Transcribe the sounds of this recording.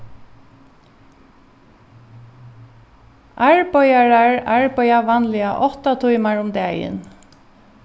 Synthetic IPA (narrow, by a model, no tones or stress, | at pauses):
ʔaɹbɔjaɹaɹaɹbœjaʋanlɪaʔɔht̪at̪ʰujmaɹʊmd̪ɛːjɪ̰n